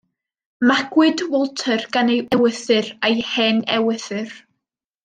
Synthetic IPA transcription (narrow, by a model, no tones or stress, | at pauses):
maɡ̥wɨdwɔlˠtʰərɡ̥anejɛwəθɨrajhɛnɛwəθɨr